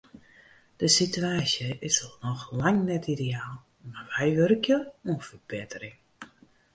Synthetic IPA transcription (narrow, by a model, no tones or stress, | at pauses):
d̥əsityaːsjəʔɪsɔlˠnɔxlaŋnɛtideaːlˠ | marʋɛjʋøɾəkʰjəuənfərbɪtərɪŋ